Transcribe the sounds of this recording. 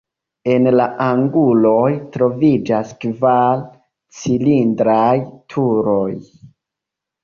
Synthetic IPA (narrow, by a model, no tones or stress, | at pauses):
e̞nlaʔaŋɡulo̞jtɾo̞vid͡ʒaskval | t͡silindɾajtʰuɾo̞j